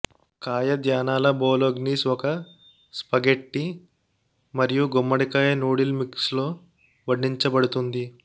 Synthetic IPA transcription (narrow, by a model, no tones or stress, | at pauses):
kaːjɐd̪jaːnaːlɐboːloɡniːsɔkɐ | spɐɡeʈːi | mɐɾijuɡomːɐɽikaːjɐnuːɽilmikslo̞ː | ʋɐɖːiɲt͡ʃɐbɐɽut̪und̪i